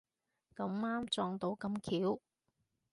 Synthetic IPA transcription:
kɐ˨˧˥maː˥mt͡sɔː˧ŋt̪o˨˧˥wkɐ˧mkʰiː˨˥w

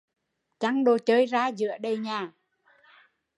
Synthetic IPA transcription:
t͡ɕa˧˦ŋɗo˨˩t͡ɕəː˧jzaː˧zɨ̰˧˥əɗə˨˩jɲaː˨˩

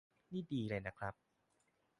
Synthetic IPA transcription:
niː˥˩diː˧ɾa˧jna˦˥kʰɾa˦˥p̚

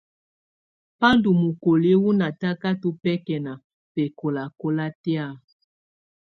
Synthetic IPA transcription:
pa˦ndu˨mu˨ko˨le˦wu˦na˨ta˦ka˦to˦pɛ˦kɛ˨na˨ | pɛ˨ko˨la˨ko˦la˦tɛ˦a˦˨

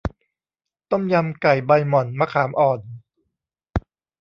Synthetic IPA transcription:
t̪ɔ˥˩mja˧mka˨˩jba˧jmɔ˨˩nmaː˧kʰaː˩˦mʔɔː˨˩n

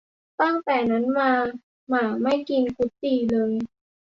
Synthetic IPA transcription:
t̪a˥˩ŋt̪ɛː˨˩na˦˥nmaː˧ | maː˧˩ma˥˩jki˧nkʰu˦˥t̪̚ːiː˧˩lɤː˧j

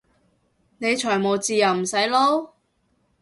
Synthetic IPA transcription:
ne˨˧jt͡ʃʰɔː˨˩jmo˨wt͡siː˧jɐ˨˩wm̩˨˩sɐ˨˥jlo˥

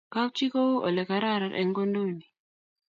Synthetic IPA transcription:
ka˦wt͡ʃi˦ko˦ʔɔ˨lɛ˨ka˨ɾa˦˨ɾa˨ɾʔɛ̰˨ŋɡo˦ndo˦˨ni˨

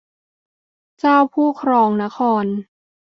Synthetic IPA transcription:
t͡ɕaː˥˩wpʰuː˥˩kʰɾɔː˧ŋna˦˥xʰɔː˧n

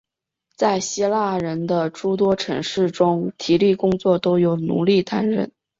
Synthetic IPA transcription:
t͡sa˥˩ɪɕi˥la˥˩ɻə˧˥nd̪ə˧ʈ͡ʂu˥t̪̬wɔ˥ʈ͡ʂʰɤ̰˧˥ŋʂɻ̩˥˩ʈ͡ʂʊ˥ŋt̪ʰi˨˥li˥˩kʊ˥ŋt͡swɔ˥˩t̪o˥ʊjo˨˩ʊnṵ˧˥li˥˩t̪a˥nɻə̰˥˩n

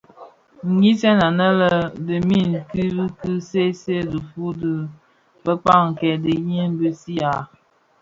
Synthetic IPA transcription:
ŋ̩˨ɡi˦sɛ˦na˨nə˦lə˦də˨mi˦˨n˨ki˦bi˦kɨ˦se˦se˦˨də˨fu˦də˦ | bə˦k͡pa˦˨ŋŋ̩˨kɛ˨də˨ji˦n˦bə˦si˦a˨

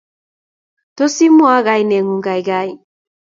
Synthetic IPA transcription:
to˦si˦mwa˦ɣa˦jnɛ˨ŋu˨ŋɡa˨jɡa˦j

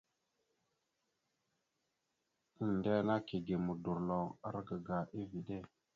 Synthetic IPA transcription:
i˨n˨de˦na˦ki˨ɡe˨mu˨du˨ɾlo˨a˦ɾɡə˨ɡa˨ʔi˦vi˨ɗe˦˨

